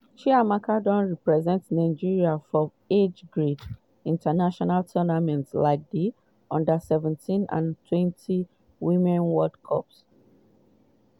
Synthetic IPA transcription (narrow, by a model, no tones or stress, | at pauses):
ʃiamakʰadɔ̃nɹipɹɛzɛ̃ntsnaɪd͡ʒiɹiafɹɔ̃m | ed͡ʒɡɹid | ĩntʰanaʃɔnaltʰɔnamɛ̃ntslaɪk̚di | ʔɔ̃ndasɛvɛ̃ntʰĩnã̰ntʰwɛ̃ntʰi | wĩmɛ̃nwɔdkʰɔ̰ps